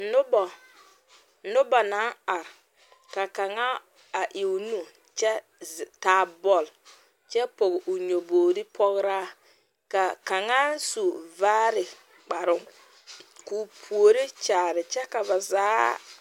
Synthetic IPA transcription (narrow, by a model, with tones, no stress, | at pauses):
nʊ˦bɔ˨ | nʊ˦ba˨na˨˦a˨ɾ | ka˨ka˨ŋa˦ | a˨ʔɪ˨wnu˦ | t͡ʃɛ˦˨ | taː˦bɔ˨l | t͡ʃɛ˦po˨ɡɪ˨ʔʊ˨ɲo˨boː˨ɾɪ˦pʰɔ˦ɣɾa˦ | ka˨ka˨ŋa˦n˦su˨vaː˦ɾɪ˨ | k͡pa˨ɾʊ˦ŋ | ku˨pʰu˨o˨ɾi˦t͡ʃaː˨ɾɪ˨t͡ʃɛ˦ka˨ba˨zaː˦